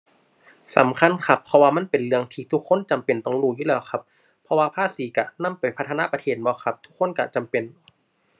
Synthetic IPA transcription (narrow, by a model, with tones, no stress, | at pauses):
sa̰˨˩˦mkʰa˧˥˨nkʰa˧pʰːɔ˧waː˧ma˧˥˨npe˨nlɯ˧əŋt̪ʰiː˧˩t̪ʰu˦˥kʰːo˧˥˨nt͡ɕa˨˩mpe˨˩nt̪ɔ˧˩ŋluː˧˩juː˧lɛː˧˩˨wkʰa˧˥p̚ʰː | ɔ˧waː˧pʰaː˧˥˩siː˨˦ka˧˩na˧˥˨mpa˨jpʰa˦t̪ʰːna̰˧˥pa˧t̪ʰeː˧˩t̪̚bɔː˧˦kʰa˧p̚t̪ʰu̥˦˥kʰːo˧˥˨nka˧˩t͡ɕa˨mpe˨n